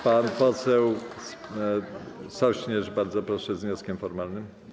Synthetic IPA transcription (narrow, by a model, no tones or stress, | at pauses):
panpɔt̪sɛws | sɔɕɲɛʐbaɾd̪zɔpɾɔʂɛzvɲɔskʲɛmfɔɾmalnɘm